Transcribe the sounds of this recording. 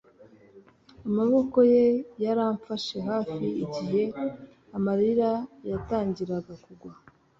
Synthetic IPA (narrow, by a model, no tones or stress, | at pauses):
amaβo̞ko̞je̞jaɾaːɱfaʃe̞ɦaːfiiɟiɦe̞ | amaɾiɾajataːɲɟiɾaɡakuɡwa